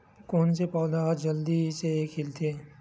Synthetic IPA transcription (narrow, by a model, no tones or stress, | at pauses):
koːnsepɔːd̪aːɦd͡ʒɐld̪iseːkɦɪlt̪ʰeː